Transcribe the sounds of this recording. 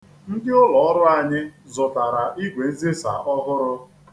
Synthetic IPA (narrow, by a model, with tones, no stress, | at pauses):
n̩˦dɪ˦ʊ˦lɔ˨ɔ˦ɾʊ˦a˨ɲɪ˦zʊ˨ta˨ɾa˨ʔi˦ɡʷe˨e˦ze˦sa̰˨ʔɔ˦ɦʊ˦ɾʊ˦